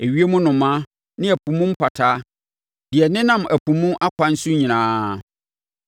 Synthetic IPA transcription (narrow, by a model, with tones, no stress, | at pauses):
e˨ɥi˦e˦mʊ̃˦nʊ̃˨mã˦ | nɪ̃˦æ˨pʰũ˨mʊ̃˦m̩˦pʰa˨tʰaː˦ | dɪ˨ɛ˨nɪ̃˦nã˨mæ˨pʰũ˨mũ˦ʔa˦kʷʰa˨n̩˦sʊ˦ɲĩ˨ñãː˨˦